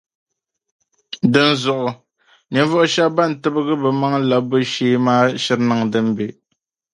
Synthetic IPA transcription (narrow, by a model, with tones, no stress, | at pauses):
dɨ˦n̩˦zɔ˨ʔʊ˨ | ni˨n˦vɔ˦ʔʊ˦ʃa˦ba˦˨n̩˨tɨ˦bɨ˦ɣɨ˦bɛ˨ma˦ŋla˨bɨ˦ʃeː˦maː˦ʃɛ˦ɾna˦ŋdɨ˦m˦be˨